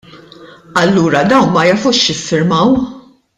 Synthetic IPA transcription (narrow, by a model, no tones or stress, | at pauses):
ɐlːuːɾɐd̪ɐwnmɐjɐfuʃjɪfːɪɾmɐw